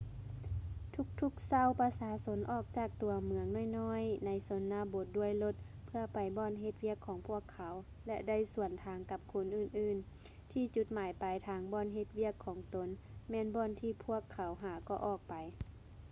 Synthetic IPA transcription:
t̪ʰu˧˩k̚t̪ʰu˧k̚sa˧˩˨wpa˧saː˧˦so˧˦nʔɔː˧˩k̚t͡ɕaː˨˩k̚t̪u˨˩ɐmɯ˨˧əŋnɔ˧˥˨jnɔː˧˥˨jna˨˦jso˨˦nːaː˧bo˧˦t̪̚du˧˩əjlo˧˦t̪̚pʰɯ˧ɐpa˨jbɔː˧˨nɦe˧t̪̚wi˧˥˩əkʰːɔː˨˦ŋpʰu˧˥˩əkʰːa˨˦w | lɛ˧da˥˩jsu˨˩ənt̪ʰaː˨˦ŋka˧˦p̚kʰo˧˥nʔɯː˧˩nʔɯː˧˩n | t̪ʰiː˧˩t͡ɕu˧˦t̪̚maː˨˦jpa˨jt̪ʰaː˨˦ŋbɔː˧˥˨nɦe˧t̪̚wi˧˥˩əkʰːɔː˨˩˦ŋt̪o˨˦nmɛː˧˥˨nbɔː˧˨nt̪ʰiː˧˩pʰu˧˥˩əkʰːa˨˩˦wɦaː˨˩kɔː˧˩ʔɔː˧˩k̚pa˨j

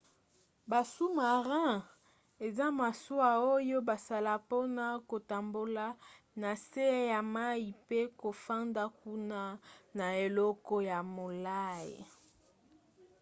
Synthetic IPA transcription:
ba˨su˦ma˨ʁɛ̃˦ | e˨za˦ma˨su˦a˨o˦jo˦ba˨sa˦la˨po˦na˦ko˨ta˨mbo˨la˦ | na˨se˦ja˨ma˦i˨pe˦ko˨fa˦nda˦ku˦na˦na˨e˨lɔ˦kɔ˦ja˨mo˨la˦jḭ˨

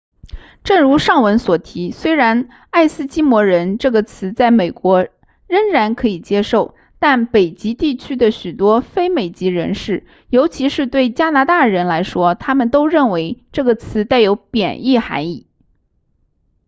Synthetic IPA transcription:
ʈ͡ʂɤ˥˩ŋɻu˧˥ʂɑ˥˩ŋwə˧˥nswɔ˨˩t̪ʰi˧˥swe˥ɪɻa˧˥n | a˥˩ɪsɹ̩˥t͡ɕi˥mwɔ˧˥ɻə˧˥nʈ͡ʂɤ˥˩ɡə˩t͡sʰɹ̩˧˥t͡sa˥˩ɪme˨˩ɪkwɔ˧˥ | ɻə˥ŋɻa˧˥nkʰɤ˧˥i˨˩t͡ɕjɛ˥ʂo˥˩ʊ | t̪a˥˩npe˨˩ɪt͡ɕi˧˥t̪i˥˩t͡ɕʰy˥d̪ə˨ɕy˨˩t̪wɔ˥fe˥ɪme˨˩ɪt͡ɕi˧˥ɻə̰˧˥nʂɻ̩˥˩ | jo˧˥ʊt͡ɕʰi˧˥ʂɻ̩˥˧t̪we˥˩ɪt͡ɕja˥na˧˥t̪a˥˩ɻə˧˥nla˧˥ɪʂwɔ˥t̪ʰa˥mə˨nt̪o˥ʊɻə˥˩nwe˧˥ɪʈ͡ʂɤ˥˩ɡə˩t͡sʰɹ̩˧˥t͡s̪a˥˩ɪjo˧˥ʊpjɛ˨˩ni˥˩xa̰˧˥ɪi˥˩

